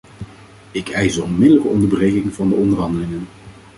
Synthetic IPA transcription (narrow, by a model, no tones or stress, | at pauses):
ɪkʰɛjzərɔnmɪdələkəɔndəɹbərejkɪŋvɑndəɔndərɦɑndəlɪŋən